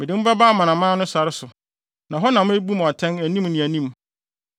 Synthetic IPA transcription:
mɪ˨dɪ˨m̩˦ba˦baː˦mã˨nã˨mãː˦nʊ̃˦sa˨ɾɪ˦sʊ˨ | nã˨ɦɔ˦nã˨mʊ̃˦æ˦bu˦m˨ɔ˨tʰɛ̃˦næ˨nĩ˦mnɪ̃˨æ˨nĩ˦m

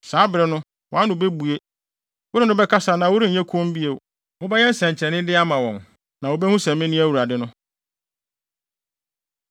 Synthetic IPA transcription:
saː˨˦bɪ˨ɾɪ˨nʊ̃˦ | wɔ̃˨˦a˦nʊ̃˨˦be˦bu˨e˦ | wʊ˦ɾɪ˦nʊ̃˦bɛ˦kʰa˦sa˨nã˨wʊ˦ɾĩ˦ɲ̩˨ɲɛ˦kʰõ˦m˦bi˦e˨ | wʊ˦bɛ˦jɛ˦n̩˦sɛ̃˨ɲ˨t͡ɕʰɛ˨nɪ̃˦dɪ˦a˦mã˨wɔ̃˨n | nã˨wo˦bɛ˦hʊ̃˦sɛ̃˨mɪ̃˦nɪ̃˦æ˦wu˨ɾa˨dɪ˦nʊ̃˦

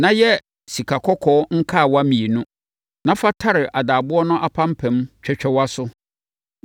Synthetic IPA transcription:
nã˦jɛ˦ | si˨kʰa˨kʰɔ˦kʰɔ˦ŋ̩˦kʰa˦˨wa˦mĩ˨e˨nʊ̃˦ | nã˦fa˦tʰa˦ɾɪ˨ʔa˨daː˨bʊ˦ɔ˦nʊ̃˦ʔa˦˨pʰã˦m̩˦pʰɛ̃˨˦mt͡ɕᶣʰɛ˨t͡ɕᶣɛ˦wa˦sʊ˦

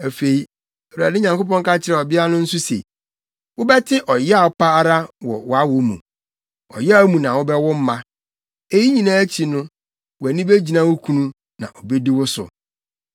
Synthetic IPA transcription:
æ˨fe˨i˨ | ɛ˨u˨a̰˨dɪ˦ɲã˨ŋko˦pɔ̃˦ŋka˦t͡ɕʰɪ˦ɾɛ˨ɔ˨bɪ˦a˦nʊ̃˦n̩˦sʊ˦sḛ˨ | wʊ˦bɛ˦tʰɪ˦ʔɔ˨jɛ˦a˨ɔ˨pʰa˦a˦ɾa˦wɔ̰˨wɔ˦a˦wʊ˨mṵ̃˨ | ɔ̰˨jɛ˦a˦mũ˨nã˨wʊ˦bɛ˦wʊ˦m̩˦mã˦ | e˦ji˦ɲĩ˨nãː˦æ˦t͡ɕʰi˨nʊ̃˦ | wɔ˨æ˨nĩ˦be˦d͡ʑi˨nã˦wʊ˦kʰũ˦nũ˦ | nã̰˨ʔɔ˨be˦di˦wʊ˦sʊ̰˨

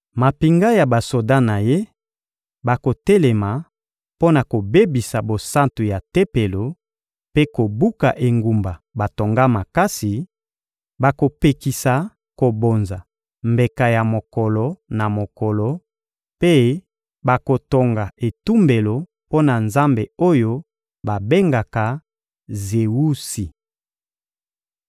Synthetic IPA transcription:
ma˨pi˨ŋɡa˦ja˨ba˨so˨da˦na˨je˦ | ba˨ko˨tɛ˦lɛ˨ma˨ | po˦na˨ko˨be˦bi˨sa˨bo˨sa˦ntu˨ja˨te˦pe˨lo˨ | pe˦ko˨bu˦ka˨ʔe˨ŋɡu˨mba˨ba˨to˨ŋɡa˦ma˨ka˦si˨ | ba˨ko˨pe˨ki˨sa˨ | ko˨bo˨nza˨ | mbe˨ka˨ja˨mo˨kɔ˨lɔ˨na˨mo˨kɔ˨lɔ˨ | pe˦ | ba˨ko˨to˨ŋɡa˨e˨tu˦mbe˨lo˨ | po˦na˨nza˦mbe˨o˦jo˦ | ba˨be˦ŋɡa˨ka˨ | ze˨wu˦si˨

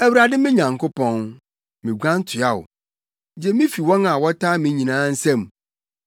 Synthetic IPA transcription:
æ˦wu˦ɾa˨dɪ˦mɪ̃˦ɲã˨ŋkʰʊ˦pɔ̃˦n | mĩ˨ɡʷã˦n˦tʰʊ˨a˦˨ʊ̰˨ | d͡ʑɛ˦mĩ˦fi˨wɔ̃˦nã˨wɔ˦tʰaː˦mĩ˨ɲĩ˨nãː˦n̩˦sɛ̃˦m

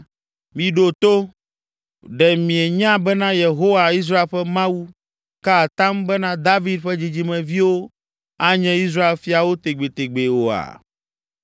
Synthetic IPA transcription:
mĩ˨ɖo˨t̪o˦ | ɖɛ˨mĩ˨ɛ˨ɲã˦bɛ˦nã˦je˨ɦo˦wa˨i˦s̬ɾa˦e˦lɸɛ˦mã˦wu˦ | ka˦˨t̪ã˦mbɛ˦nã˦d̪a˦vi˦d̪ɸɛ˦d͡ʑi˨d͡ʑi˦mɛ̃˨vi˦wo˦ | a˦ɲɛ̃˦i˦s̬ɾa˦e˨lfi˨a˨wo˦t̪e˨ɡ͡be˨t̪e˨ɡ͡be˨wo˨a̰˨

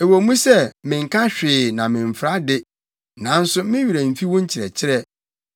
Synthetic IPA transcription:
e˨wo˨˦mũ˦sɛ˦˨mɪ̃˨ŋ̩˨kʰã˦ɕᶣɪː˨nã˨mɪ̃˨m˨fɾa˦dɪ˦ | nã˨˦n̩˦sʊ˦mɪ̃˦ɥi˨ɾɛ˨m̩˨fi˦wɔ̃˦ɲ̩˦t͡ɕʰɪ˨ɾɛ̰˨t͡ɕʰɪ˦ɾɛ˦

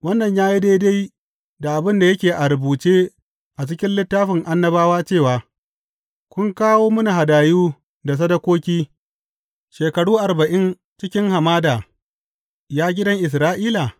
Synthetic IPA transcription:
wɐ˦nːɐ˨ɲjaː˦ji˦da˦da˦j | da˨ʔa˨bɪ˦nda˨jɐ˦kʲeː˨ʔa˨ɾʊ˨buː˨t͡ʃeː˦ | ʔa˨t͡ʃɪ˦kʲɪ˦nlɪ˦tːaː˦ɸɪ˨ŋʔa˦nːɐ˦baː˦waː˦t͡ʃeː˦˨waː˨ | kʷʊ˦ŋkaː˦woː˦mʊ˦na˨ha˨daː˨juː˦ | da˨s̬ɐ˦dɐ˦kʷoː˦kʲiː˦ | ʃeː˨kɐ˨ɽuː˦ʔa˨ɾbɐ˨ʔɪ˦n | t͡ʃɪ˦kʲɪ˦ŋha˨maː˦daː˨ | jaː˦ɡʲɪ˦dɐ˦ŋʔɪ˨s̬ɾaː˦ʔiː˦la˨

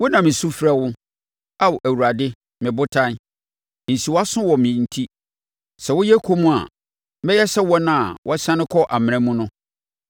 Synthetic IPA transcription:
wʊ˦nã˨mɪ̃˨su˦fɾa˦wʊ˦ | a˦wʔæ˨wu˨ɾa˨dɪ˦ | mɪ̃˨bʊ˦tʰã˦n | n̩˨si˨wɔ˦a˦sʊ̃˦wɔ˨mɪ̃˨n̩˦tʰi˦ | sɛ˨wʊ˦jɛ˦kʰo˦mũ˦a̰˨˦ | bɛ˦jɛ˦sɛ˦wɔ˦nã˦a˨wʔɔ˦sã˦nɪ̃˦kʰɔ˦ʔa˨mɪ̃˨nɛ̃˨mũ˦nʊ̃˦

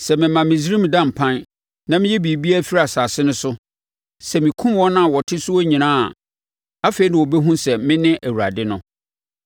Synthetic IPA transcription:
sɛ˨mɪ̃˨mã˨mɪ̃˨sɾĩ˦m˨dã˦m̩˨pʰã˦n | nã˦mɪ̃˦jɛ˦bi˨bi˦a˦fi˦ɾa˨saː˨sɪ˦nʊ̃˦sʊ˦ | sɛ˨mĩ˨kʰũ˦mwɔ˦nã˦˨wɔ˨tʰɪ˦sʊ˦wɔ˦ɲĩ˨nãː˦a̰˨ | a˦fe˨i˦nã˨wɔ˨bɛ˦ɦũ˦sɛ˨mɪ̃˦nɪ̃˦ʔæ˨wu˨ɾa̰˨dɪ˦nʊ̃˦

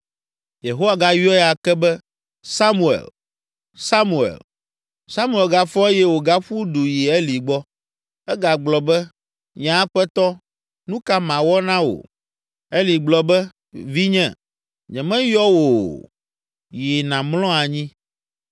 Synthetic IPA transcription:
je˨ɦo˦wa˨ɡa˦ji˦ɔ˦ɛ˦a˨kɛ˦bɛ˦ | sa˦mu˨ḛ˨l | sa˦mu˨ḛ˨l | sa˦mu˦e˨lɡa˦fɔ˦e˦jɛ˦wo˨ɡa˦ɸu˦du˨ji˨ɛ˦li˨ɡ͡bɔ˦ | ɛ˦ɡa˨ɡ͡blɔ˨bɛ˦ | ɲã˨˦ɸɛ˦t̪ɔ˦ | nũ˦ka˦mã˨wɔ˦nã˦wo̰˨ | e˦li˨ɡ͡blɔ˨bɛ˦ | vi˦ɲɛ̃˨ | ɲɛ̃˨mɛ̃˦jɔ˦wo˨ | ji˨nã˨mlɔ̃˦a˨ɲĩ˦

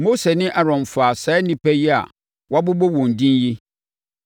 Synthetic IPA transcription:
mo˦se˨nɪ̃˦ʔa˨ɾɔ̃˨mfa˨sa˨˦nĩ˦pɛ˦ji˦a̰˨ | wa˦bʊ˦bo˦wɔ̃˨n˨dĩ˦nji˦

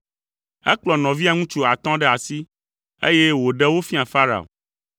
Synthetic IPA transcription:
ɛ̰˦k͡plɔ˨nɔ̃˨vi˦a˨ŋũ˦t͡ʃu˦a˨t̪ɔ̃˦ɖɛ˦a˨si˦ | ḛ˦je˦wo˨ɖɛ˦wo˦fi˦a˨fa˦ɾa̰˨o̰˨

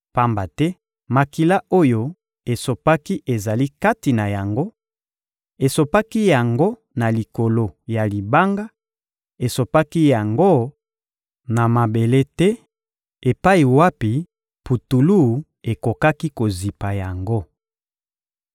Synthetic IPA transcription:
pa˦mba˨tɛ˦ | ma˨ki˨la˦o˦jo˦ | e˨so˨pa˦ki˦ʔe˨za˨li˦ka˦ti˨na˨ja˨ŋɡo˦ | e˨so˨pa˦ki˦ja˨ŋɡo˦ | na˨li˨ko˨lo˨ja˨li˨ba˦ŋɡa˦ | e˨so˨pa˦ki˦ja˨ŋɡo˦ | na˨ma˨be˨le˦tɛ˦ | e˨pa˦i˨wa˦pi˨ | pu˨tu˨lu˦˨ | e˨ko˨ka˦ki˦ko˨zi˨pa˨ja˨ŋɡo˦

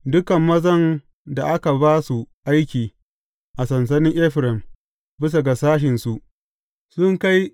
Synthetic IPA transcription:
dʊ˦kɐ˨mːɐ˦zɐ˦n | da˨ʔa˦ka˨baː˦su˨ʔa˦jkʲiː˨ | ʔa˨sɐ˨ns̬ɐ˦nɪ˦ŋʔɛ˦ɸɾɛ˨m | bɪ˦s̬a˨ɡa˨saː˦ʃ̬ɪ˨nsu˨ʔ | sʊ˦ŋka˦j

